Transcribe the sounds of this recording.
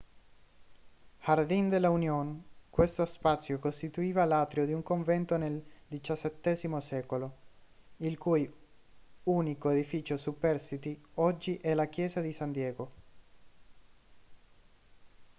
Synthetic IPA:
hard̪ind̪elːaunjonkwest̪ospat̪sːjokost̪it̪uiːvalaːt̪ɾiod̪iuŋkoɱvɛnt̪oneld̪it͡ʃasːɛt̪ːɛːzimosɛːkolo | ilkuj | uːnikoed̪ifiːt͡ʃosupːɛrsit̪iɔd͡ʒːiʔɛlak̟jɛːzad̪isand̪jɛːɡo

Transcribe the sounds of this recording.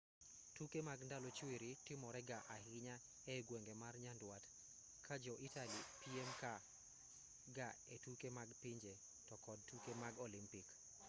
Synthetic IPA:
tukemaɡndalɔt͡ʃweɾitɪmɔɾɛɡaʔahɪɲa | ɛɡweŋɡemarɲandwat | kʰad͡ʒɔʔitalipiɛmka | ɡaetukemaɡpiɲd͡ʒe | tɔkɔd̚tukemaɡɔlimpik

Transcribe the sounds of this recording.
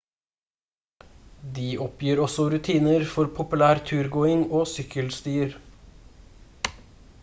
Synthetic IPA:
d̪iːʔɔpjiːɾɔsɔɾʉt̪ʰiːnəɾfɔɾpʰʊpʉlæːɾt̪ʰʉːɾɡoːɪŋoːsʏkʰəlst̪yːɾ

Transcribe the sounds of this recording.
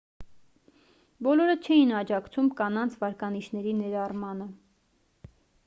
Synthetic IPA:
bɔlɔɾət͡ʃʰɛinɑd͡ʒɑkt͡sʰumkɑnɑnt͡sʰvɑɾkɑniʃʰnɛɾinɛɾɑrmɑnə

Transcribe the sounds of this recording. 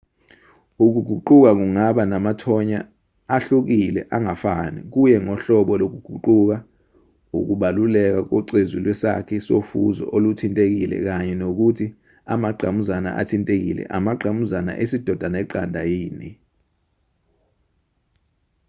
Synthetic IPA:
uk̬uɡ̥ʱuǃuk̬ak̬uŋaɓanamatʰɔɲaː | ɬuk̬ilɛ̰ʔaŋafanik̬ujɛŋɔɬɔɓɔlok̬uɡ̥ʱuǃuk̬a | ṵk̬uɓalulɛk̬ak̬ɔǀezilwɛsa̰kʰisofṵzɔ̰ʔolutʰintʼek̬ilɛ̰k̬aɲɛnok̬utʰi | a̰maɡ͡ǃʱamuzana̰ʔa̰tʰintʼek̬ḭlɛ̰ʔamaɡ͡ǃʱamuzana̰ʔesid̥ʱɔd̥ʱanɛǃandʱajiːni

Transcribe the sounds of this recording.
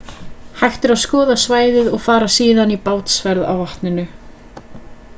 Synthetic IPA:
hajxt̪ɪɾaskɔːðasvaːjðɪðɔɣfaːɾasiːðanipaːwt̪svɛɾða̰wvaht̪nɪnʏ

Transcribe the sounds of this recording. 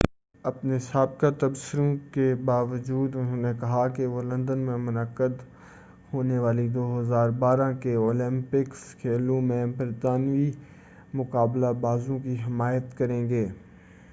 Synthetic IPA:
ɐpnesaːb̚kat̪ɐbsɪɾõkebaːʋəd͡ʒuːd̪ʊnɦõːnekɐɦakeʋolɐ̃nd̪ənmẽmʊnəkːəd̪ | hoːneʋaːlid̪oːɦɐzaːɾbaːɾãkeoːlɪ̃mpɪkskʰeːlõmẽbɐɾt̪aːnʋi | mʊkaːblabaːzõkiɦɪmaːjət̪kɐɾẽːɡeː

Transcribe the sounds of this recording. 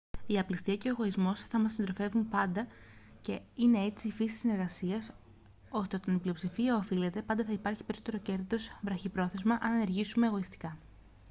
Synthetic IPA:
iɐplist̪iɐce̞oːɣo̞izmo̞sθɐmɐsind̪ɾo̞fe̞vumpɐnd̪ɐ | ce̞ine̞e̞t͡siːfisi̥t̪isine̞ɾɣɐsiɐs | o̞st̪eot̪onibliopsifiɐofile̞t̪e̞pɐnd̪ɐθɐipɐɾçi̥peɾisot̪e̞ɾo̞ce̞ɾðit̪o̞zvɾɐçipɾo̞θe̞zmɐʔɐnɐne̞ɾʝisume̞eɣo̞ist̪i̥kɐ

